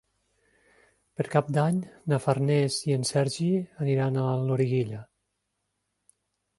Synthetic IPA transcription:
pəɾkap̚d̪aɲnafarnɛziensɛɾʒiəniɾanaloɾiɣiʎə

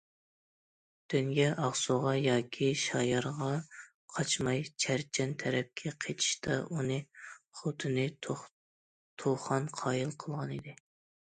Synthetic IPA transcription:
d̪̥yŋɡʲɛʔɑʁsuʁɑjɑːkʲʰiʃɑjɑɾʁɑ | qʰɑt͡ʃmɑjt͡ʃʰæɾt͡ʃʰɛnt̪ʰɛɾɛp̚kʲʰɛqʰet͡ʃ̪ʰi̥ʃt̪ʰɑ̰ʔunɨχot̪ʰɨnɨ | t̪ʰoχɑnqʰɑːjilˠqʰəlˠʁɑnid̪ɪ

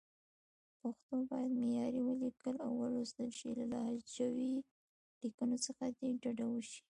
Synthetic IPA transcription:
paxt̪obɑjad̪mejɑɾiwəlikəlawːəɾosd̪əlʃilalɑd͡ʒawi | likənosəxad̪eɖaɖawəʃi̥

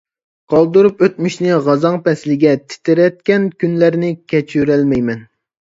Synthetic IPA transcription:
qʰɑlˠd̪uɾupøt̪̚myʃnɪʁɑzɑŋpɛslɪɡʲɛt̪ʰɪ̥t̪ʰɪɾɛt̪̚kʲɛnkʲynlæɾnɪkʲʰɛt͡ʃʰyɾɛlmɛjmɛn

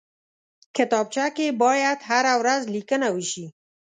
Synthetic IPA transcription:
kɪt̪ɑb̚t͡ʃakebɑjad̪ɦaɾawɾazlikənawəʃi

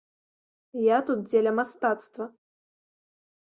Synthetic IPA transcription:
jat̪ut̪̚d͡zʲelʲɐmast̪at̪st̪vɐ

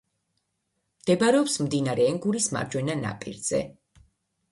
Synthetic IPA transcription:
md̪̥ɛbaɾɛɔpsmd̪inaɾɛːŋɡuɾisma̰ɾd͡ʒwɛnana̰pʼḭɾz̥ɛ̰

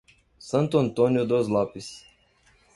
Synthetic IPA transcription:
sɐ̃nt̪uɐ̃nt̪onjud̪ozlɔpis

